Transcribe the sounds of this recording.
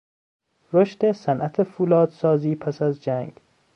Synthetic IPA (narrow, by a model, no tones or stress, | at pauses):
ɾoʃt̪esænʔæt̪ʰefuːlɒːd̪̥sɒːziːpʰæsæzd͡ʒæŋɡ